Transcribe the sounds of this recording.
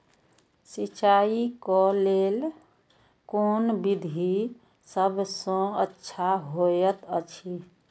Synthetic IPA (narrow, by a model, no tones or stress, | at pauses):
sit͡ʃaikɔlel | koːnbid̪ʱi | səbsɔ̃ətːʃʰaɦojət̪ət͡ʃʰi